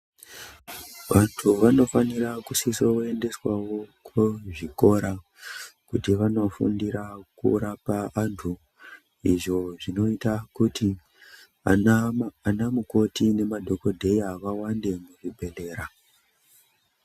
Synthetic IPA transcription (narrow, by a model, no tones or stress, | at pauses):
ʋantʰuʋano̞faniɾakusisoe̞nde̞swawo̞kweʐiko̞ɾa | kutiʋano̞fṵndiɾakṵɾapaantʰu | iʐo̞ʐino̞itakuti | anamuko̞tine̞madʱo̞ko̞dʱe̞iaʋawande̞muʐibʱe̞le̞ːɾa